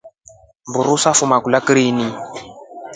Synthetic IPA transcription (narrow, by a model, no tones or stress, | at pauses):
mbuɾusafumakulakɾiːni